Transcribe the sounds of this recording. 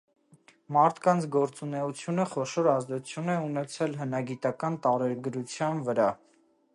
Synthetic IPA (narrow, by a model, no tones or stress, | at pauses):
mɑɾt̪ʰkɑnt͡sʰɡɔɾt͡sunɛut͡sʰjunəχɔʃɔɾɑzd̪ɛut͡sʰjunɛunɛt͡sʰɛlɦənɑɡit̪ɑkɑnt̪ɑɾɛɾɡəɾut͡sʰjɑnvəɾɑ